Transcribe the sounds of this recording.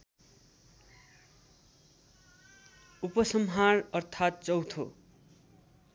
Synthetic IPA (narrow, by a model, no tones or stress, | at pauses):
upʌsʌmɦarʌrt̪ʰat̪̚t͡sʌwt̪ʰo̰